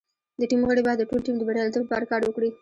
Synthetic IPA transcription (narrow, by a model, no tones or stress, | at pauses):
d̪əʈimɣəɽebɑd̪əʈolʈimd̪əbaɽjɑlt̪opɑɾkɑɾwəkɽi